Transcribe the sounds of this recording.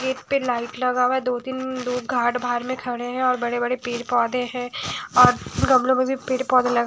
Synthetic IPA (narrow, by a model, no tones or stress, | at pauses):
keːʈpelaːɪʈlɐɡaːʋɛd̪oːt̪ɪnd̪oːɡʱaːʈbʱaːɾmẽkʰɐɽẽɦɛ̃ɔːɾbɐɽebɐɽepeːʈpɔːd̪ẽɦɛ̃ɔːɾɡɐmlõmẽbʱipeːʈpɔːd̪ẽlɐɡ